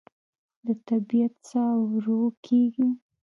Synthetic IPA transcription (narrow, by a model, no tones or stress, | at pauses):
d̪ət̪abijat̪sawɾokʰeɡi